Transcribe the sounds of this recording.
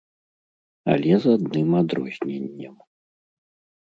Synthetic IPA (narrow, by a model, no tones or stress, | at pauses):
a̰lʲɛzad̪̚nɨmad̪ɾɔ̰zʲnʲenʲːɐm